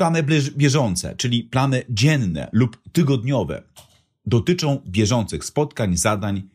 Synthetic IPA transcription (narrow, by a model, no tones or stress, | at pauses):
anɘbʲjɛʐɔnt̪sɛ̰t͡ʂɘlʲiplan̪ɘd͡ʑɛnːɛ̰lupt̪ɘɡɔd̪ɲɔvɛ̰ | d̪ɔt̪ɘt͡ʂɔ̃w̃bʲjɛʐɔnt̪sɘxspɔt̪kaɲzad̪aɲ